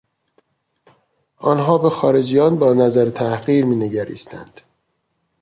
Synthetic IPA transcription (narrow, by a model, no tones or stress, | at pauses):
ʔɒːnɦɒːbe̞xɒːɾe̞d͡ʒijɒːnbɒːnæzæɾet̪ʰæhɣiːɾmiːneɟæɾḭːst̪ʰæ̰nd̪̥